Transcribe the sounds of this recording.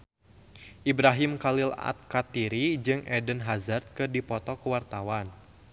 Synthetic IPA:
ʔibɾaɦimkalila̰t̪̚kat̪iɾid͡ʒɨŋʔɛdənɦazart̪̚kɨrdipɔt̪ɔkəwart̪awan

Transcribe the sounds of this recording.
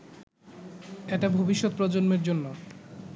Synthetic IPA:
eʈabʱobiʃːot̪pɾɔd͡ʑonmeɾd͡ʑonːo

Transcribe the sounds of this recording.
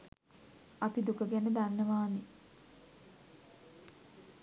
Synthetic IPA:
apid̪ukəɡænəd̪anːəʋaːni

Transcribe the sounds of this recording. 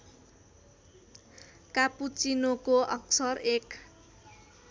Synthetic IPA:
kaput͡sinokoʔʌ̰ksʌrek

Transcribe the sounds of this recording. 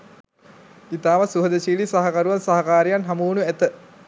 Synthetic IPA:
it̪aːʋəsuɦəd̪əʃiːlisɐɦɐkɐɾuʋansɐɦɐkaːɾijanɦɐmuːnuæt̪ə

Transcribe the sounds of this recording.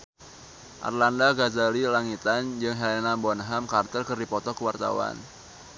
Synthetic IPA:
ʔa̰rlandaɡazalilaŋit̪and͡ʒɨŋɦelenabɔnɦamkart̪ərkərdipɔt̪ɔkəwart̪a̰wa̰n

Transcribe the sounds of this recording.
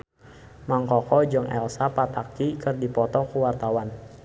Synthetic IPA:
maŋkɔkɔd͡ʒəŋɛ̰lsapat̪akikɨrdipɔt̪ɔkuwart̪awan

